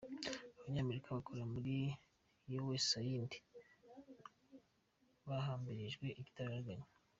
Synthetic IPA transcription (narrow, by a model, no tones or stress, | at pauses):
aβaɲaːme̞ɾikaβakoɾamuɾi | jowesajindi̥ | βaɦaːmbiɾiʒɡwe̞ʔiɟi̥taɾaɾɡaɲa